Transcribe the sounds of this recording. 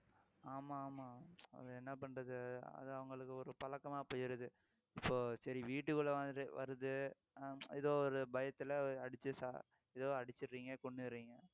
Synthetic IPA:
aːmaːmaːɐ̰ðɯɛnːɐpɐɳːɾɐðɯɐ̰ðɯɐʋɐŋɡɐɭɯkːɯɔɾɯpɐlɐkːɐmaːpoːjɪɾɯðɯ | ɪpːoːsɐɾiʋiːʈːɯkːɯɭɐʋaːnɾɯʋɐ̰ɾɯðɯ | ɛðoːɔɾɯbɐjɐt̪ːɪlɐɐɽɪt͡ʃːɯsa̰ː | ɛðoːɐɽɪt͡ʃːɪɾːiːŋɡɐkɔɳːɯɾːiːŋɡɐ

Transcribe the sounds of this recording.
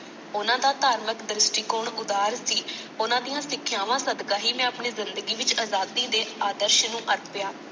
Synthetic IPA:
ʊnãːd̪aːt̪aːɾməkd̪ɾɪsʈiːkoːɳʊd̪aːɾsiː | ʊnãːd̪ijãːsɪkʰːjaːʋãːsəd̪ɡaːɦiːmɛ̃ːapɳiːzɪnd̪əɡiːʋɪt͡ʃaːzaːd̪iːd̪eːaːd̪əɾʃnũːʔəɾpɪjaː

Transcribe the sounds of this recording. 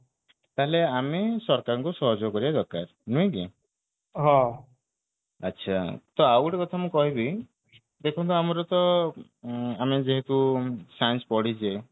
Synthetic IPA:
t̪aɦeleamesɔɾkaɾɔŋkusɔɦɔd͡ʒokɔɾiad̪ɔɾkaɾnũĩki | ɦɔ̃ | ətːʃʰat̪ɔawʈekɔt̪ʰamũkɔɦibi | d̪ekʰɔ̃nt̪ɔamɔɾɔt̪ɔ | amed͡ʒeɦet̪usanspɔɽid͡ʒe

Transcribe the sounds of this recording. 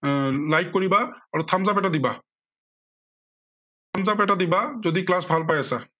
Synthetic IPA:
lajkːoɹibaːɹutʰamzapɛʈad̪iba | t̪ʰamzap̬ɛʈad̪ibazod̪iklasbʱalp̬ajasa

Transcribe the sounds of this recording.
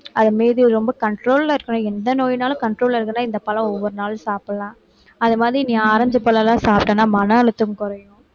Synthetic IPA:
ɐðɐmeːðɯɾɔmbɐkɐɳʈɾoːlaɪɾɯkːɐnʊ̃ɛnd̪ɐnoːjnaːlɐ̃kɐɳʈɾoːlɪɾɯkːɐnːaːɪnd̪ɐpɐlɐ̃ɔʋːɔɾɯnaːlsaːpɐlãː | ɐðɯmaːðɾinĩːaːɾɐɲd͡ʒɐpːɐlɐlãːsaːp̚ʈːɐnːaːmɐnɐɐlɯt̪ːɯmkʊɾɐjʊ̃

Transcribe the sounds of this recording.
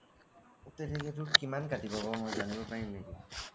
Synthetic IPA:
utɛtʰeket̬uɾkimankatibɔbɔmɔjzanibɔpaɹimneki

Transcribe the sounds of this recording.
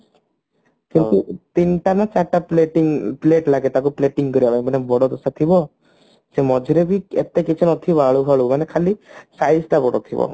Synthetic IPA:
kint̪ut̪inʈanat͡ʃaʈapleʈiŋpleʈlaɡet̪akupleʈiŋkɔɾiabajmanebɔɽɔd̪ɔsat̪ʰibɔ | semɔd͡ʒʱɾebiet̪ekit͡ʃʰɔnɔt̪ʰibaɭuɦɔɭumanekʰalisajsʈabɔɽɔt̪ʰibɔ̰

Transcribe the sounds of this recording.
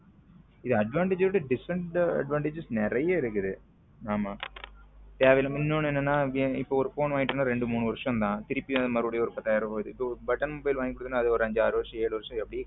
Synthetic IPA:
ɪðɯɐɖʋaːɳʈed͡ʒɯʈːɯɖɪsɐɳʈɐ̰ɖʋaːɳʈeːd͡ʒɯsnɛɾɐjɐɪɾɯkːɯðɯ | aːmaː | t̪eːʋɐlɐmɪnːoːɳenːɐnːaːeːɪpːoːɔɾɯfoːnʋaːŋɡɪʈːɐnːaɾeɳɖɯmuːɳɯʋɐɾʂɐ̃mt̪ãːt̪ɪɾɪpːĩɐðɯmɐɾɯɽɐjɐɔɾɯpːɐt̪ɐjaːɾɐɦoːjðɯɪpːobɐʈːɐnmobɐjɪlʋaːŋɡikːɔɽɯt̪ːɯnːaːðɯɔɾɯɐɲd͡ʒaːɾɯʋɐɾʂɐ̃eːɭɯʋɐɾʂɐ̃ɛpːɐɽijeː

